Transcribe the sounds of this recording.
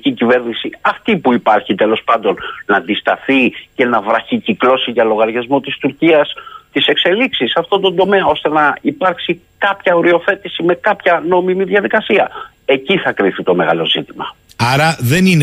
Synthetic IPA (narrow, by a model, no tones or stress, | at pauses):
cicive̞ɾnisiɐft̪ipuipɐɾçit̪e̞lo̞spɐnd̪o̞nnɐːnd̪ist̪ɐθice̞nɐvɾɐçiciklo̞siʝɐlo̞ɣɐɾʝɐzmo̞t̪ist̪uɾciɐst̪ise̞kse̞liksisɐft̪o̞nd̪o̞nd̪o̞me̞ɐo̞st̪e̞nɐipɐɾksi | kɐpçɐoɾio̞θe̞t̪isime̞kɐpçɐno̞mimiðʝɐðikɐsiɐ | e̞ciθɐkɾiθit̪o̞me̞ɣɐ̰lo̞zit̪imɐ̰ | ɐɾɐðenin